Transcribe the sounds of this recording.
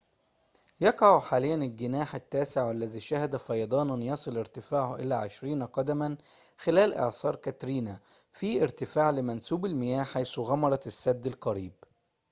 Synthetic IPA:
jɑqʕaħaːlɪjːænɪlɡɪnaːħɪt̪ːæːsɪʕalːæðiːʃæhɪd̪æfɑjɑd̪ˤɑːnɪnjɑsˤɨlɪɾt̪ɪfaːʕhʔɪ̰læːʕeʃɾiːnqɑd̪æmæn | xɪlæːlʔɪ̰ʕsɑːɾˤkæt̪ɾiːnæ | fiːʔɪɾt̪ɪfaːʕlɪmænsuːbɪlmɪjæːhħajsuɣɑmɑɾˤɑt̪sːæd̪ːɪlqɑɾiːb̚

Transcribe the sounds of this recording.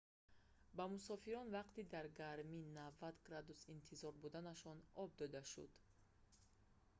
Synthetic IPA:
bamusɔfiɾɔnvaqt̪id̪aɾɡaɾminavːat̪ɡɾad̪usint̪ʰizɔɾbud̪anaʃɔnɔb̚d̪ɔd̪aʃṵd̪̥

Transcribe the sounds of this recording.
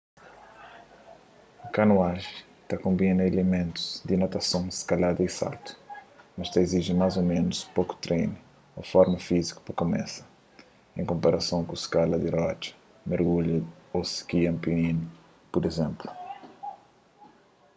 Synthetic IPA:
ukɐnuaʒ | t̪ɐkõmbinɐelemẽnt̪u̥z̥d̪inat̪ɐsõw̃skalad̪ɐisa̰ɾt̪u̥mɐʃt̪ɐeziʒimajzomẽnuspoku̥t̪ɾejn | ofɔɾmɐfiziku̥pɐkomɛ̰sɐ̥ | ẽŋkõmpaɾɐsɐ̃w̃kũskalɐd̪irɔt͡ʃɐ̥ | meɾɣuʎɐoskiɐ̃mpinĩn | puɾezẽmplu̥

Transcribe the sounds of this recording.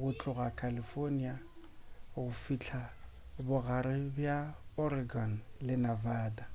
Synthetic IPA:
ɣʊt͡ɬʼʊɣakʰalifonia | ɣʊfit͡ɬʰa | bʊɣaɾɪbjaɔɾɪɡɔnlɪnavaːda

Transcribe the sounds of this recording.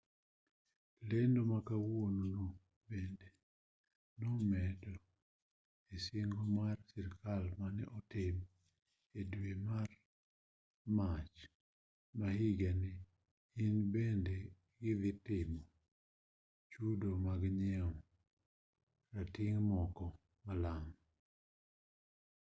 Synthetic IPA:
lendomakawonono | bende | nomɛdo | isɪŋɡomarsiɾkalmanɛ̰ʔɔtɪm | edwemar | mat͡ʃ | mahiɡɛnɪ | inbende | ɡɪd̪ɪtɪmɔ | t͡ʃudomaɡɲɛɔ | ɾatiŋmɔkɔ | malam

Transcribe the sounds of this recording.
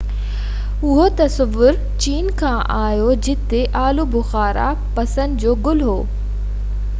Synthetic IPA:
ʊɦot̪ɐsɐʋːʊɾ | t͡ɕiːnkʰãːʔaːjod͡ʑɪt̪eʔaːlubʊxaːɾa̰ | pɐsə̃nd̪d͡ʑoːɡʊlɦoː

